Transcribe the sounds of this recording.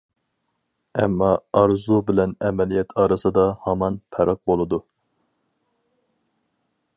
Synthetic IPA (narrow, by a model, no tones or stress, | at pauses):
ɛ̰mːɑɑɾzubɪlɛnɛmɛlijɛt̪ʰɑːɾɨsɨd̪ɑhɑmɑnpʰɛɾɑq̚bolˠɨd̪u